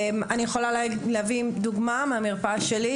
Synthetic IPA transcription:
manijeχolalleaviːmd̪uɡmameamiʁpaʃeli

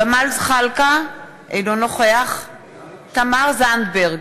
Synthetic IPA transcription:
bamalzχalka | ʔḛjnonoχeaχ | t̪amaʁzand̪beʁɡ

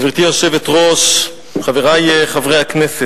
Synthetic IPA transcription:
viʁt̪iaʃevet̪ʁo̞ʃ | χaveʁajeχavʁejhakneset

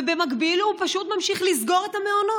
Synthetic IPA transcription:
ebemaɡbilupaʃut̪mamʃiχlizɡo̞ʁetame̞ono

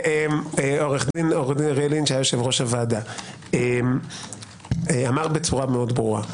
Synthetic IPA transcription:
emeo̞ʁeχd̪inoʁd̪inʁelinʃajajoʃevʁo̞ʃavada | em | eamaʁbe̞t͡suʁameo̞d̪bʁuʁa̰

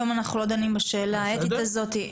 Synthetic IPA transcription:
omanaχnulo̞d̪animbaʃe̞ːlaet̪it̪azo̞t̪i

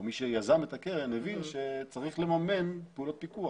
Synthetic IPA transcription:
miʃejazamet̪akeʁenevinʃet͡saʁiχlemame̞npeulo̞t̪̚pikua

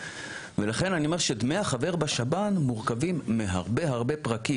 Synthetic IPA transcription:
velaχe̞nanio̞meʃed̪me̞jaχave̞ʁbaʃabanmuʁkavimːeɦaʁbe̞ɦaʁbe̞pʁaki

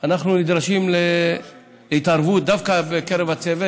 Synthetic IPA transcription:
anaχnunid̪ɾaʃimle | leit̪aɾvut̪̚d̪afkabekeɾevat͡seve

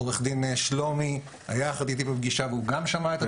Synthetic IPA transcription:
oleχd̪ineʃlo̞mi | a̰jaχat̪it̪̬ibebɡiʃaveuɡamʃamaet̪a

